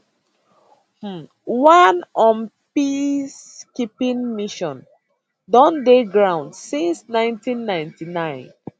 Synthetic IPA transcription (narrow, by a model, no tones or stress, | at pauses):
h̩ | wãnɔ̃npiskipĩnmiʃɔ̃n | dɔ̃ndeɡɹãʊ̃ndsĩnsnãɪ̃ntĩnːãɪ̃ntinãɪ̃n